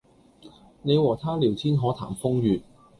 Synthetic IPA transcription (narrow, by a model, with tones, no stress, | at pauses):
ne˨˧jwɔː˨˩t̪ʰaː˥liː˨˩wt͡sʰiː˥nɦɔː˨˥t̪ʰa̰ː˨˩mfʊ˥ŋjyː˨t̚